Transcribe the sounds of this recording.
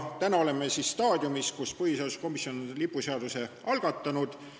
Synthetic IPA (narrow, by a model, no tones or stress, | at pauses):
t̪ænɑo̞le̞mːesisst̪ɑːd̪ʲjumiskuspɤhiseɑu̥sko̞misijo̞nonlipːˑuseɑd̪̥use̞ɑlɡ̥ɑt̪ːˑɑnud̪̥